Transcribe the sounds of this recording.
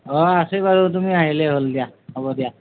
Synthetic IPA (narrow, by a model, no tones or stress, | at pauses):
ɔasejbaɹotumiaɦilɛɦoldijahɔbɔdija